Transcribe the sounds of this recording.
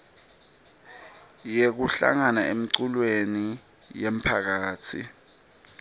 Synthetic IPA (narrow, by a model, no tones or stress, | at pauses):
jek̬uɬa̰ŋanaemiǀulweni | jem̩pʰak̬aːt͡sʰḭ